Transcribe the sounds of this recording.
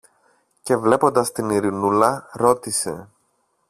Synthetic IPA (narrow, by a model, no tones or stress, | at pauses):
ce̞vle̞po̞nd̪ɐst̪iniɾinulɐɾo̞t̪ise̞̰